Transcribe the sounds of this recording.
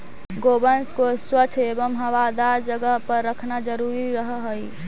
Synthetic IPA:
ɡobənskoswət͡ʃʰebəmɦəwad̪aɾd͡ʒəɡəɦpəɾːəkʰnad͡ʒəɾuɾiɾəɦɦəj

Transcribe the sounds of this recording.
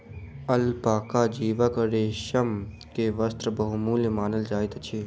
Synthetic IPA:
ɐlpaːkaːd͡ʒiːʋakəɾeːʃɐm | keːʋɐst̪ɾəbɐɦumuːləmaːnəld͡ʒaːit̪t͡ʃʰi

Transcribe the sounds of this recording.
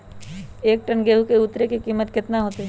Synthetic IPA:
eːk̚ʈənɡeːɦukeʊt̪ɾekikiːmət̪kɪt̪naɦoːt̪e

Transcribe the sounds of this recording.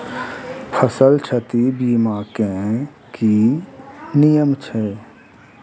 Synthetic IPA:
pʰəsəlt͡ʃʰət̪ibiːmaːkẽ | ki | nijəmt͡ʃʰɛː

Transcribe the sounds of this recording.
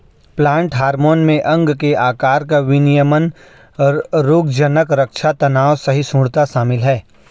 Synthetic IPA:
plãːɳʈɦaːɾmoːnmẽʔɐ̃ŋɡkeʔaːkaːɾkaʋɪnijəmən | ɾɾoːɡd͡ʒənəkɾəkʃʰat̪ɐnaːʋsɐɦisũːɽt̪aʃaːmɪlɦɛː

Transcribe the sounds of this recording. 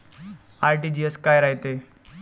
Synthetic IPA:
aɾʈiːd͡ʑieskaːjɾaɦit̪e

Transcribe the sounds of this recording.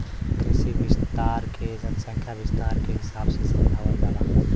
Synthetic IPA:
kɾɪʃibɪst̪aːɾkʰed͡ʒənəsə̃ŋkʰjabɪst̪aːɾkeɦɪsaːbsẽsəmdʱawəndana

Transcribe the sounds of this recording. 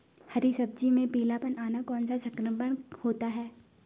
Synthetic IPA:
hɐɾisɐb̚d͡ʒimẽpiːlapənaːnakɔːnsasɐkɾəbəɳhoːt̪aɦɛː

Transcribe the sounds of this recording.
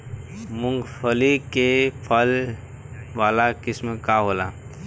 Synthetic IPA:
mʊ̃ŋɡpʰəlikepʰəl | ʋaːlakɪsmekaɦola̰

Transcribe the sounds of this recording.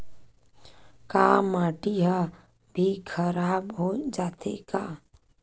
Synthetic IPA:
kaːmaːʈiɦa | bʱikʰəɾaːbɦod͡ʒaːt̪ʰḛkaː

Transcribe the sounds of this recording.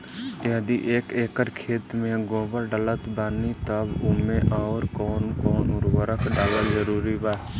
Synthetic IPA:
jəd̪iʔeːkeːkəɾkʰeːt̪mẽɡõːbəɾɖələt̪baːnit̪əbʊmẽʔaʊɾkɔːnkɔːnʊɾwəɾəkɖaːlazəɾuːɾibaː

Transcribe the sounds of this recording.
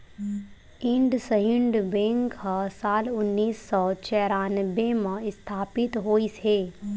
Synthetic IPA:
ɪ̃ɳɖsəɦɪ̃ɳɖbẽːŋkɦasaːlʊnːiːsːɔt͡ʃɛːɾaːnbemãɪst̪ʰaːpɪt̪ɦoːiseː

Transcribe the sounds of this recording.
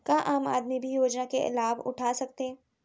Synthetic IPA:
kaʔaːmaːd̪mibʱijoːd͡ʒnakeɪ̰laːʋʊ̰ʈʰaːsɐk̚t̪ẽː

